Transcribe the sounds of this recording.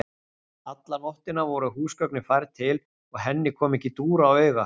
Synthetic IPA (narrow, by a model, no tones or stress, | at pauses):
at̪lanɔht̪ɪnavɔɾʏɦuːskœknɪfajɾt̪ʰɪl | ɔɣɦɛnːɪkʰɔːmɛhcːɪt̪uːɾawœːɥɣa